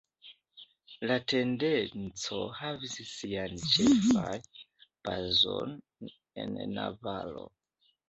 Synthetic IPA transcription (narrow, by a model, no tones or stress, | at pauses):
late̞ndent͡so̞havissiant͡ʃefajpazo̰n | e̞̰nːa̰valo̞̰